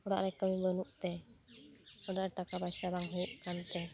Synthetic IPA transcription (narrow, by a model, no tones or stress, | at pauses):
ɔɽa̰ʔɾɛkəmibənuʔt̪ɛ | ɔɖaʔɾʈakabajsabaŋɦəʔkant̪ɛ